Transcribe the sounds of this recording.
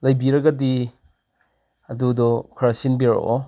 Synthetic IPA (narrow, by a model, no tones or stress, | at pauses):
lɐjbiɾɐɡɐdi | ɐdudɔkʰɾasinbiɾ̰ʔo